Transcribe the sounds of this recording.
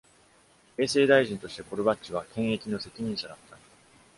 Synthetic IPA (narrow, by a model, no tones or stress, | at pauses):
e̞ːse̞ːd̪aiʑĩnt̪o̞ɕi̥t̪e̞ko̞ɾɯ̟bat͡ɕiβakʰẽ̞ɰ̃e̞kʲino̞se̞kʲiɲ̟ĩɰ̃ɕad̪at̪ːa